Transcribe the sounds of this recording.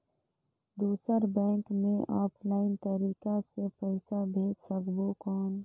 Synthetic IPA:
d̪uːsəɾbɛ̃ːŋkmẽʔɔːpʰlaːɪnt̪əɾiːkasepəɪsabʱeːd͡ʒsəkbokɔːn

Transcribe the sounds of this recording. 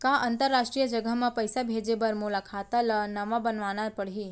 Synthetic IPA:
kaːʔɐ̃nt̪əɾːaːʃʈɾijəd͡ʒəɡəɦmãpəjsabʱeːd͡ʒebəɾmulakʰaːt̪alənɐʋãbənʋaːnaɾpəɽɦi

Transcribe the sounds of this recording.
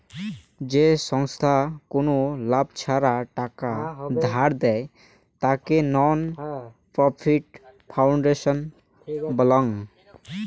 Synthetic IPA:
d͡ʒesɔŋst̪ʰakonolabt͡ʃʰaɾaʈakad̪ʱaɾd̪ɛj | t̪akenɔn | pɾɔpʰiʈ̚pʰawɳɖeʃɔn | bəlɔŋ

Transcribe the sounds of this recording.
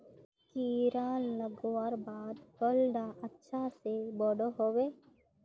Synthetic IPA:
kiɾaːnləɡoaɾbaːd̪kəlɖaʔətːʃʰasebɔɽoɦoweː

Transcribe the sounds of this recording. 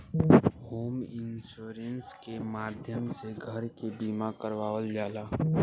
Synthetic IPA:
hoːmɪnsuːɾənskemaːd̪ʱjəmseɡʱəɾkebiːmakəɾʋaːʋəld͡ʒaːlaː

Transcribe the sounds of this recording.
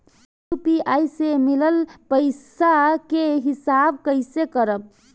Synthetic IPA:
jupiajsemiləlpəjsakeɦisabkəɪsekəɾəb̚

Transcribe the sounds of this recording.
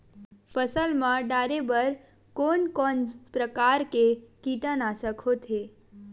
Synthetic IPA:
pʰəsəlmãɖaːɾebəɾ | koːnkɔnpɾəkaɾkekit̪ənasəkʰot̪ʰe

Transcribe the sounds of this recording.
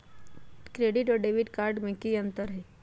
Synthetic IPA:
kɾeɖiʈʋəɖeʋiʈkaɾɖmẽkiənt̪əɾɦe

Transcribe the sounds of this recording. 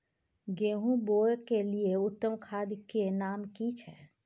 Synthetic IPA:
ɡeːɦũboːjkelieʊt̪ːəmkʰaːd̪kenaːmkit͡ʃʰɛː

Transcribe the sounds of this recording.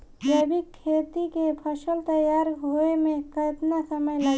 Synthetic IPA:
jəbikʰːeːt̪ikepʰəʃəlt̪əjaːɾɦoemẽkɐt̪nasəməjlə

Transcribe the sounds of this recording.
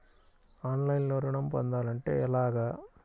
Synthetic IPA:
aːnlɐjɪnloɾɐɳɐmpɐ̰nd̪aːlɐɳʈejɐlaːɣɐ

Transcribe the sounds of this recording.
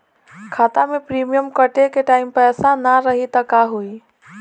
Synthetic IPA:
kʰaːt̪amẽpɾimijəmkəʈekeʈaːɪmpɛːsanaɾəɦit̪əkaɦui

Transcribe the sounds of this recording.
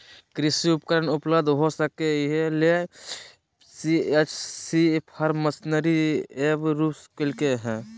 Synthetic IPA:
kɾɪsiʊpkəɾənʊpləbd̪ʱɦosəkeɦele | siet͡ʃʰsipʰəɾməsnəɾiebɾupskelkeɦɛ̃

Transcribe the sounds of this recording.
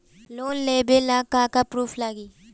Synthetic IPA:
loːnleːbelaːkaːkapɾuːpʰlaːɡiː

